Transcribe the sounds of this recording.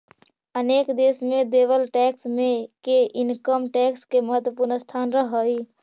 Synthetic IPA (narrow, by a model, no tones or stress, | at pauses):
ənekd̪esmed̪ebəlʈɛksmekeʔinkəmʈɛkskeməɦət̪wəpuɾnəst̪ʰanɾəɦəj